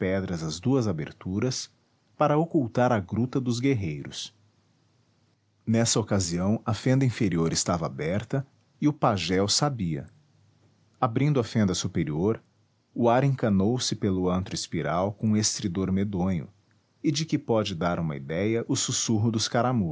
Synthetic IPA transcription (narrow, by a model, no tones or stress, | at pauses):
pɛd̪ɾɐzɐzd̪uɐzabḛɾt̪uɾɐs | paɾɐokuwt̪aɾɐɡɾut̪ɐd̪ʊzɡeɦejɾʊ̰s | nɛsɐokaziɐ̃w̃ɐfẽnd̪ɐĩfeɾioɾɪst̪avɐabɛɾt̪ɐ | ɪʊpaʒɛwsabiɐ̰ | abɾĩnd̪ʊɐfẽnd̪ɐsupeɾioɾ | ʊaɾẽŋkɐnowsɪpelʊɐ̃nt̪ɾʊɪspiɾawkõũest̪ɾid̪oɾmed̪õɲʊ̰ | ɪd͡ʒɪkɪpɔd͡ʒɪd̪aɾũmɐ̰ḭd̪ɛjɐʔʊsusuɦʊd̪ʊskaɾamu